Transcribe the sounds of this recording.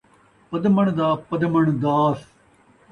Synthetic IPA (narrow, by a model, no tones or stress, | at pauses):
pɐd̪məɳ̃d̪aːpɐd̪məɳd̪aːs